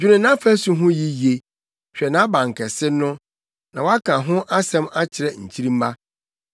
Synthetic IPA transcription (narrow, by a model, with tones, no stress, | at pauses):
d͡ʑᶣu˦ɾɪ̃˨nã˦fɛ˦su˨ɦʊ̃˦ji˦ji˨e˨ | ɕᶣɛ˨nã˨˦bã˨ŋ˨kʰɛ˨sɪ˦nʊ̃˦ | nã˨wɔ˦a˦kʰã˨ɦʊ̃˦ʔa˦sɛ̃˦ma˦t͡ɕʰɪ˨ɾɛ˨ɲ̩˨t͡ɕʰi˦ɾĩ˦m̩˦ba˦